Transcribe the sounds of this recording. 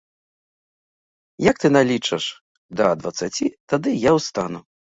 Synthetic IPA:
jak̚t̪ɨnalʲit͡ʂɐʂ | d̪ɐd̪vɐt̪sat͡sʲit̪ad̪ɨjawst̪anu

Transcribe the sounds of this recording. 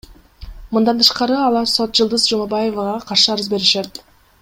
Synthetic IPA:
mɯnd̪ɑnt̪ʰɯ̥ʃqɑɾɯɑlˠɑɾso̞t̪̚d͡ʒɯlˠd̪ɯzd͡ʒumɑbɑje̞vɑʁɑqʰɑɾʃɯɑɾɯzbe̞ɾiʃet̪

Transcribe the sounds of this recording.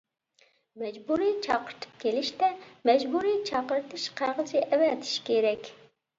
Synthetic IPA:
mɛd͡ʒbuɾit͡ʃʰɑqəɾt̪ʰɨ̥p̚kʲʰelɪʃt̪ɛmɛd͡ʒbuɾit͡ʃʰɑqəɾɨt̪ʰɨʃqʰæɾʁət͡ʃiʔɛwɛt̪ʰi̥ʃkʲʰeɾɛkʲ

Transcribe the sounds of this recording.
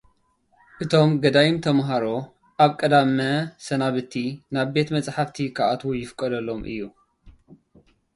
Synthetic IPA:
ʔɨt̪ʰo̞mɡɐd̪ajɪmt̪ʰɐmɦaɾo̞ | ʔaβkʼɐd̪amɐsɐnaβɨt̪ʰːinaβbe̞t̪mɐt͡sʼħaft̪ʰikʰaʔat̪ʰwojɪfɨkʼɐd̪ɐlːo̞mʔɨ̰jːu

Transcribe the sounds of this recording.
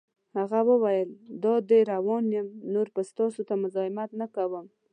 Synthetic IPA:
haɣawəwajəld̪ɑd̪əjɾawɑnjəmnoɾpəst̪ɑsot̪amʊzɑɪmat̪nakawəm

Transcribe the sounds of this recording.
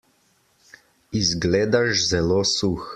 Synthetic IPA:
izɡleːd̪aʃzɛloːsux

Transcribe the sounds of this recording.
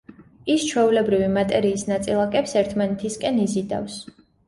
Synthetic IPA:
ist͡ʃʰwɛulɛbɾivimat̪ʼɛɾiːsnat̪sʼilˠakʼɛpsɛɾt̪ʰmanɛt̪ʰiskʼɛnizid̪a̰fs

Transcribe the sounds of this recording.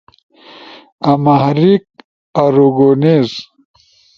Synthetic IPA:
ɐmahɾik̚ | aɾuɡoneːz

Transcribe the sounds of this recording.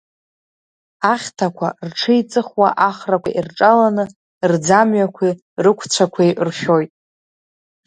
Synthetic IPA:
aχʲtʰakʷʰarʈ͡ʂʰɨit͡sʼɨχwaʔaχrakʷʰa̰ʔirʈ͡ʂʼalanɨ | rd͡zamɥakʷʰi | rɨkʷʰt͡ɕʷʰakʷʰejrχʲojtʼ

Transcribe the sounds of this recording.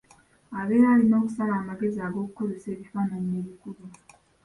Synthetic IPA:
aβe̞jalino̞ːkusalaːmaɡe̞ziaɡo̞ːkukoɾuse̞ːβifaːnaɲie̞ːβikulu

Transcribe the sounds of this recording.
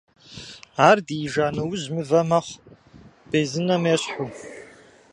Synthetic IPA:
aːrdiːʒaːnɐwʊzmɨvɐmaχʷ | b̥ezɨnamaɕħʷu

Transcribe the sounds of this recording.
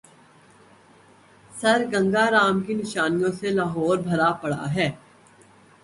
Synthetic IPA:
sɐɾɡɐ̃ŋɡaɾaːmkinɪʃaːnijõselaːɦɔːɾbʱɐɾapɐɽa̰ɦɛː

